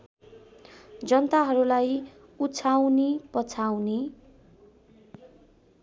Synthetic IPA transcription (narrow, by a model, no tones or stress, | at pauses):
d͡zʌnt̪aɦʌɾulaj | ut͡sʰawnipʌt͡sʰawne